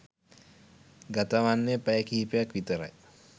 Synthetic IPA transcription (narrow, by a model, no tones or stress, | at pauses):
ɡat̪aʋanːepajəkiːpejakʋit̪əɾa̰j